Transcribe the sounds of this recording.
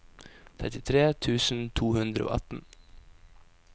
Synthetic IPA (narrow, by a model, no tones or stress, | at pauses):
t̪ʰɛt̪ɪt̪ʰɾeːt̪ʰʉːsn̩t̪ʰuːhʉnd̪ɾəʔo̰ːʔɑt̪n̩